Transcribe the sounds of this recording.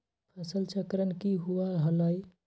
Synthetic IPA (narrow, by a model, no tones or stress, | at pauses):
pʰəsəlt͡ʃʰəkɾənkiɦuaɦələj